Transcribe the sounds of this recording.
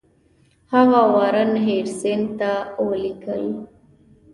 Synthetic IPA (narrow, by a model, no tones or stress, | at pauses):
haɣawaɾənɦeɽsent̪awəlikəli